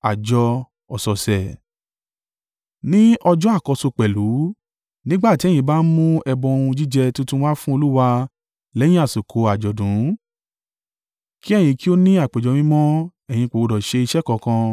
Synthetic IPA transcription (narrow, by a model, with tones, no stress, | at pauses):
a˨d͡ʒɔ˧ | ɔ˨sɔ˨sɛ˨ | nĩ˦ɔ˧d͡ʒɔ̃˦a˦˨kɔ˧so˧k͡pɛ˨lu˨˦ | nĩ˦ɡ͡ba˦˨ti˨˦ɛ˦˨j̃ĩ˧˦ba˦n̩˦mũ˦ɛ˧bɔ̃˧o˧ũ˧d͡ʒi˦d͡ʒɛ˧tũ˦tũ˦wa˦fũ˦o˧lu˦wa˧ | lɛ˨˦jĩ˦a˦˨su˨kʰo˨˦a˨d͡ʒɔ˨dũ˨˦ | ki˦ɛ˦˨j̃ĩ˧ki˦o˦nĩ˦a˦˨k͡pe˨d͡ʒɔ˨˦mĩ˦mɔ̃˦ɛ˨j̃ĩ˧k͡po˨wo˧dɔ˨ʃe˧i˧ʃɛ˦kɔ˧˨kã˧